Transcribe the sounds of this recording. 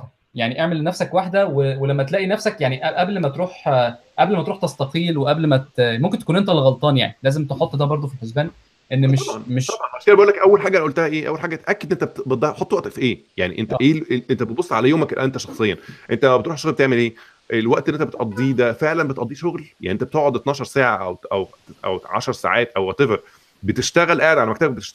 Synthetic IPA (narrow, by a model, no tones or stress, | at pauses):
jaʕniʔeʕmelnæfsækwaħd̪æwewelæmːæt̪elæːʔinæfsækjaʕniʔæʔæblmæt̪ɾuːħʔæblmæt̪ɾuːħt̪ɑst̪ɑqiːlweʔæblmæt̪momk̬ent̪æ̥kunʔent̪ælɣɑlt̪ˤɑːnja̰ʕnilæːzemt̪eħot̪ˤːd̪æbɑɾˤd̪ˤofilħozbæːn | ʔenːeʃɑmeʃɑbɑɑʃiːæbæʔulːækʔæwːælħaːɡæʔʔult̪æhæʔeːʔæwːælħaːɡæt̪ʔækːed̪ʔent̪æbet̪̚d̪ɑħot̪ˤːwæʔt̪fiʔeːja̰ʕnḭʔent̪æʔeːʔent̪æbet̪̚bosˤːʕalæjoːmæklʔæʔent̪æʃɑxsˤejːɑʔent̪æbet̪ɾuːħeʃoɣlbet̪eʕmelʔeː | ʔelwæʔt̪elːʔːent̪æbet̪ʔɑd̪ˤːiːd̪æfeʕlænbet̪ʔɑd̪ˤːiːʃoɣlja̰ʕniʔent̪æbet̪oʔʕod̪et̪nɑːʃɑɾˤsæːʕaʔæwʔæw | ʔæ̰wʕa̰ʃɑɾˤsa̰ːʕaːt̪ʔæwwæt̪eveɾ | bet̪eʃt̪æɣælʔaʕed̪ʕalæmækt̪æbæk̚et̪e̥ʃt̪